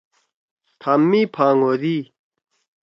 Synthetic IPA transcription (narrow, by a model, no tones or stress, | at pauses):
t̪ʰamːipʰaŋoɾi